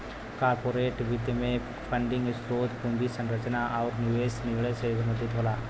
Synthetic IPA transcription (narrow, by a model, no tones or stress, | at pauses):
kaːɾpoːɾeːʈbit̪emẽ | pʰə̃ɳɖɪ̃ŋɡsɾoːd̪kũnd̪isə̃nɾət͡ʃnaʔɔːɾnjuːeːsnɪʋɭesebəɾməd̪ɪt̪ɦoːlaː